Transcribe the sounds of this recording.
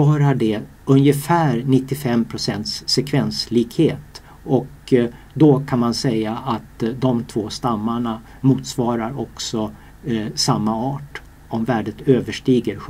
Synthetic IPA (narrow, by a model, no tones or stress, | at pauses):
ɑːɾaɖɛ | ɵnjəfæːɾnɪt̪ːɪfɛmːpʰɾʊsɛnt̪sːɛkʰvɛnsliːkheːt̪ | ɔk | d̪ɔkʰanmansɛjaʔat̪d̪ɔmt̪ʰv̥oːst̪amːaɳa | muːt̪svɑːɾaɾɔksɔ | samːaɑːʈ | ɔmvæːɖət̪øːvəʂʈiːɡəɾɧ